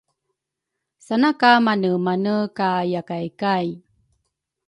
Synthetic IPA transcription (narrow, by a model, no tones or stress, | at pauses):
sanakamanəmanəkajakajkaj